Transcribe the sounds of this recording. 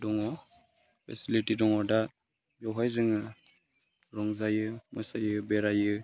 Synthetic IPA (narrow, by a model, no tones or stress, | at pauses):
dɔŋɔ | pʰesilitidɔŋɔda | bjɔɦajzɯŋɯ | ɾɔŋzajɯmɔsajɯbɛɾajɯ